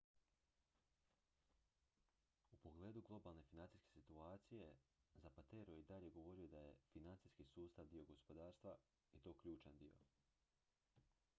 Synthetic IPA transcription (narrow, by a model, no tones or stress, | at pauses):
upo̞ɡle̞ːd̪uɡlˠo̞balˠne̞finant̪i̥ske̞sit̪uaːt̪sije̞zapat̪eːɾoid̪aʎe̞ɡo̞ʋo̞ɾijo̞d̪aje̞finant̪siskisuːst̪aʋd̪io̞ɡospo̞d̪aːɾst̪ʋa | it̪o̞ːkʎuːt͡ʃand̪io̞̰